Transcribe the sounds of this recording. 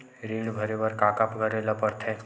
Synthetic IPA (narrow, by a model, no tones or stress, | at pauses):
ɾiːɽbʱɐɾebəɾkaːkapɡʱəɾelɐpəɾt̪ʰẽː